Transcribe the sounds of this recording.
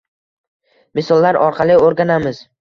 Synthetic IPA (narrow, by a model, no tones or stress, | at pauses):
mɪsɒlˠːaɾɒɾqʰɑlɪoɾɡʲanamɪz̥